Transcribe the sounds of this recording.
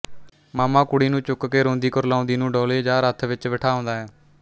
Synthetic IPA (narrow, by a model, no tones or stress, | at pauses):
maːmãːkʊɽiːnũːt͡ʃʊkkeːɾõːnd̪iːkəɾlãːnd̪iːnũːɖoːleːd͡ʒaːɾət̪ʰʋɪt͡ʃʋəʈʰaːɦõːnd̪aːɦɛː